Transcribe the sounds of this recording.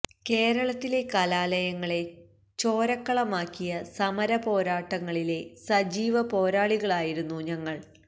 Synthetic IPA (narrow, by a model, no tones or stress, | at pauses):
ke̞ːɾɐɭɐt̪ːile̞kɐlaːlɐjɐŋːɐɭe̞ | t͡ɕo̞ːɾɐkːɐɭɐmaːkːijɐsɐmɐɾɐpo̞ːɾaːʈːɐŋːɐɭile̞sɐd͡ʑiːʋɐpo̞ːɾaːɭiɣɐɭaːjiɾunːuɲɐŋːɐɭ